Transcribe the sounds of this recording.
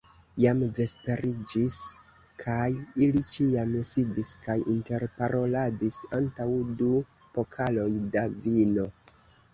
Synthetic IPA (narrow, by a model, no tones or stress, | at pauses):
jamve̞spe̞ɾid͡ʒis | kʰajilit͡ʃiamsidiskajʔinte̞ɾpaɾʔo̞ladisantawdu | po̞kʰalo̞jdavino̞